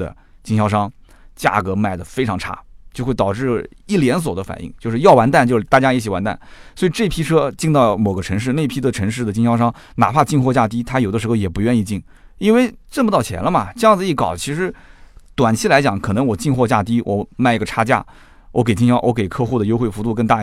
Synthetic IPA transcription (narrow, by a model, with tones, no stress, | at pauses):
ə̰˨ | t͡ɕi˥˩ŋɕjɑ˥˧ʊʂɑ˥ŋ | t͡ɕja̰˥˩kɤ˧˥ma˥˩ɪd̪ə˩fe˥ɪʈ͡ʂʰɑ˧˥ŋʈ͡ʂʰa̰˥t͡ɕjo˥˧ʊxwe˥˩ɪɑ˨˩ʊʈ͡ʂɻ̩˥˩i˥˩ljɛ˧˥ns̬wɔ˨˩d̪ə˦fa̰˨˩nʔḭ˥˩ŋt͡ɕjo˥˧ʊʂɻ̩˥˧jɑ˥˩ʊwa˧˥nt̪a˥˩nt͡ɕo˥˧ʊʂ̩˥˩t̪a˥˩t͡ɕja˥i˧˥˩t͡ɕʰi˨˩wa˧˥nt̪a̰˥˩nswɔ˧˥i˨˩ʈ͡ʂɤ˥˩˧pʰi˥ʈ͡ʂʰɤ˥t͡ɕi˥˧ŋt̪ɑ˥˩ʊmo˨˩ʊɡə˦ʈ͡ʂʰɤ˧˥ŋʂ̬ɻ̩˥˧ne˥˩ɪpʰi˥d̪ə˨ʈ͡ʂʰɤ˧˥ŋʂ̬ɻ̩˥˩d̪ə˩t͡ɕi˥˧˩ɕjɑ˥˧ʊʂɑ˥ŋ | na̰˨˩pʰa˥˧t͡ɕi˥˧ŋxwɔ˥˧t͡ɕja˥˧˩t̪̬i˥t̪ʰa˥jo˨˩ʊd̪ə˦ʂɻ̩˧˥xo˧ʊjɛ˨˩pu˧˥ɥɛ˥˧ni˥˧t͡ɕi˥˩ŋ | i˥nwe˥˧ɪʈ͡ʂbə˧˩ɑ˥˩ʊt͡ɕʰjɛ̰˧˥nlə˧mɐ˨ʈ͡ʂɤ˥˧jɑ˥˩ŋd͡zɹ̩˩˧i˥˩kɑ˨˩ʊt͡ɕʰi˧˥ʂɻ̩˧˥t̪wa˨˩nt͡ɕʰi˥˩la˧˥ɪt͡ɕjɑ˨˧˥ŋkʰɤ˨˩nɤ˧˥ŋwɔ˨˩t͡ɕi˥˧ŋxwɔ˥˧t͡ɕja̰˥˩t̪i˥wʔɔ˨˩ma˥˩ɪi˥ɡə˧˩ʈ͡ʂʰa˥t͡ɕja̰˥˩ | wʔɔ˧˥k̬e˨˩ɪt͡ɕi˥ŋ˩ɕjɑ˥ʊwʔɔ˧˥ke˨˩ɪkʰɤ˥˧xu˥˩d̪ə˩jo˥ʊxwe˥˩ɪfu˧˥t̪u˥˧kə˥˧t̪a˥˧